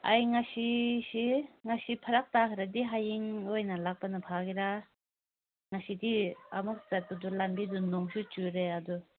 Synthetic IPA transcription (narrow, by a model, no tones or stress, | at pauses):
ajŋasisiŋasipʰɐɾak̚takʰɾadiɦajiŋojnalak̚panɐpʰaɡiɾa | ŋasidiamuk̚zat̚badulambidunɔŋsut͡ʃuɾeadu